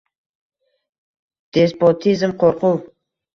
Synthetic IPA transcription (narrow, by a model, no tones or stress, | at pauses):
d̪̥espot̪ʰizmqʰoɾquw